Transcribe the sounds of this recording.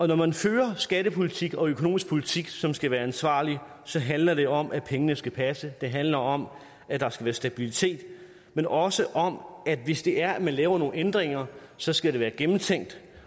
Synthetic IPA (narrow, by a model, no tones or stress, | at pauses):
ɒ̽nɒmænføːɐsɡ̥æɾəpʰo̝lit͡sʰiɡ̥ɒ̽økʰono̝ːmisɡ̥̚pʰolit͡sʰiɡ̥sɒ̽msɡ̥æʋæːɐænsʋɑ̰̈ːli | sɒ̽ɦænlɐɾ̥e̝ɒ̽mʔæpʰeŋənəsɡ̥æpʰæsəd̥e̝ɦænlɐɒ̽m | æd̥ɑ̈sɡ̥æʋæːɐsd̥æb̥ilit͡sʰe̝̰ːd̥ | menɒ̽səʔɒ̽mæd̥ʋe̝sd̥e̝ʔæɐæmænlɛːʊɐno̝ːn̩end̥ʁeŋɐsɒ̽sɡ̥æɾe̝ʋæːɐɡ̥emn̩t͡sʰeŋ̰d̥